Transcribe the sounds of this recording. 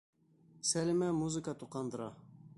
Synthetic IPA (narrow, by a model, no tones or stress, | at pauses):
sælɪmæmuzɨkət̪ʰuqɑnd̪əɾɑ